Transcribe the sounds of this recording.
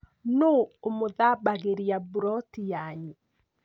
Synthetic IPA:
noomoðabaɣeɾiabuɾɔtijaɲi

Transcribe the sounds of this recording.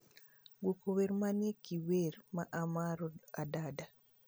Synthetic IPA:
ɡokoweɾmanjekiweɾmaʔamaɾɔadada

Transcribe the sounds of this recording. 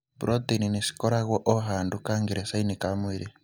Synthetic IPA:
buɾʔɔd̪eninisi̥kɔɾaɣɔʔɔɦandukaŋɡiɾesainikamwiɾi

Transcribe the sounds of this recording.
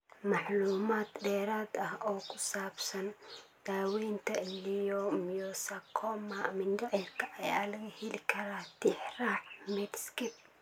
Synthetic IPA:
mɑħluːmaːd̪ɖɛːɾaːd̪ɐhɔːkʰʊsaːbsɐnd̪̥aːwɛːnt̪ʰɐlijɔmijɔsɐkʰɔmamɪnd̪ɔʔɛrkʰɐʔɐja̰ːlɐɣɐhɛlɪkʰɐɾaːt̪ɪħraːħmɛd̪skɪ

